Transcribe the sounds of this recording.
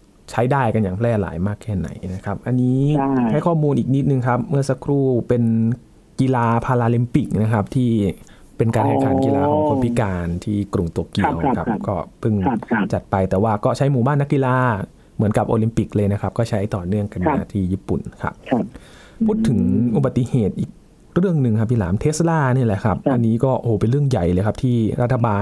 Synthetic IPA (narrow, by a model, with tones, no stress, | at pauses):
t͡ɕʰa˦˥jdaː˥˩jka˧njaː˨˩ŋpʰlɛː˥˩la̰ː˩˦jmaː˥˩kʰːɛː˥˩na̰˩˦jna˦˥kʰa˦˥p̚ʔa˧nːiː˦˥ha˥˩jkʰɔː˥˩muː˧nʔiː˨˩k̚ni˦˥t̪̚nɯ˨˧ŋkʰa˦˥p̚mɯ˥˩ɐsa˧˥kʰɾuː˥˩pe˧n | ki˧laː˧pʰaː˧laː˧li˧mpi˨˩k̚na˦˥kʰa˦˥p̚t̪ʰiː˥˩ | pe˧nkaː˧nhɛ˨˩˨kʰaː˨˩˦nki˧lla̰ː˧kʰɔː˨˦ŋkʰo˧npʰi˦˥kaː˧nt̪ʰiː˥˩kɾu˨˩ŋt̪u˧˩əki˧əwna˦˥kʰa˦˥p̚kɔː˥˩pʰɯ˥˩ŋt͡ɕa˨˩t̪̚pa˧jt̪ɛː˨˩waː˥˩kɔː˥˩t͡ɕʰa˦˥jmuː˨˩baː˥˩nːa˦˥kːi˧laː˧˥˩ | mɯ˩˦ənka˨˩p̚ʔoː˧li˧mpi˨˩k̚lɤː˧jna˦˥kʰa˦˥p̚kɔː˥˩t͡ɕʰa˦˥jt̪ɔː˨˩nɯ˥˩əŋka˧nːa˧˦˧a˧˩t̪ʰiː˧˩jiː˥˩pu˨˩nkʰa̰˦˥p̚ʰː | uː˥˩t̪ʰːɯ˩˦ŋʔu˨˩ba˨˩t̪ːi˧heː˨˩t̪̚ʔiː˨˩k̚ | ɾɯ˥˩əŋnɯ˨ŋkʰa˦˥p̚ʰːi˧˥˩la̰ː˩˦mt̪ʰeː˦˥sa˧laː˥˩ni˥˩˨lɛ˧˩kʰa˦˥p̚ʔa˧nːiː˦˥kɔː˥˩ʔo˧˨hoː˨˦pe˧nɾɯ˥˩əŋja˨˩jlɤː˧jkʰa˦˥p̚t̪ʰiː˥˩ɾa˦˥t̪ʰːa˧baː˧